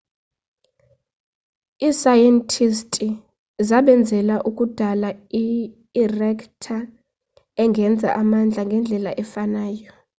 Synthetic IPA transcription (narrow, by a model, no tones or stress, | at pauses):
iːsajɛntʰʼistʼi | zaɓɛnd͡zʱɛlaʔukʼud̥ʱalaiː | rɛkʰtʰa | ɛŋɡʱɛnd͡zʱa̰ʔamand͡ɮʱaŋɡʱɛnd͡ɮʱɛlaʔɛfanaːjɔ